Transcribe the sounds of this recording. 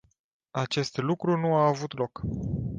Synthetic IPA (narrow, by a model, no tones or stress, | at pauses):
at͡ʃe̞st̪lukɾunuaːvut̪lo̞k